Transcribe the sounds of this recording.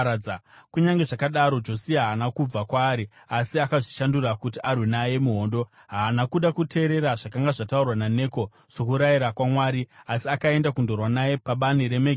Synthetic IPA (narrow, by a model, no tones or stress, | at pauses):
kuɲaŋɡe̞ʐakaɗaɾo̞d͡ʒo̞siaɦaːnakub͡vakwaːɾi | asiakaʐiʃandurakutiʔarwenaje̞muɦo̞ːndo̞ | ɦaːnakuɗakutʰe̞ːɾe̞ɾaʐakaŋɡaʐataurwanane̞ːko̞ | so̞kuɾaiɾakwamwaːɾiasiakae̞ndakundo̞rwanaje̞paɓaniɾe̞meɡ